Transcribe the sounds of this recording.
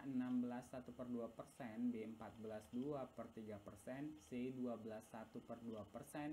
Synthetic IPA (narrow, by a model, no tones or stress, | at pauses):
ənambəlasːat̪upərduapərsɛnbeəmpat̪̚bəlasduapərt̪iɡapərsɛnseduabəlasːat̪upərduapərsɛn